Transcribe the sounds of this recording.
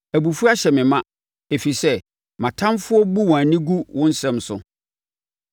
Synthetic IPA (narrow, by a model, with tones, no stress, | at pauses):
æ˨bu˨fu˦a˦ɕɛ˨mɪ̃˨mã˦ | e˨fi˨sɛ˦ | mã˨tʰã˦mfʊ˦ɔ˦bu˦wɔ̃˨æ˨nĩ˦ɡu˦wʔʊ̃˦n̩˦sɛ̃˦˨msʊ̰˨